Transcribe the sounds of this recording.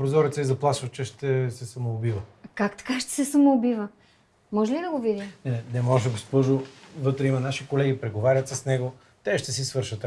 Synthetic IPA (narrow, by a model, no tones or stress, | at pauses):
pɾozɔɾit̪səizɐplˠaʃvət͡ʃɛʃt̪ɛsɛsɐmoːbivəkakt̪ɐ̥kaʃt̪ɛ̥sɛsɐmoːbivə | mɔʒɛlid̪ɐɡovid̪imnɛnɛnɛmɔʒɛɡospɔʒovɤt̪ɾɛimɐnaʃikolɛɡipɾɛɡovaɾʲət̪sɐsnɛɡo | t̪ɛʃt̪ɛsisvɤɾʃət̪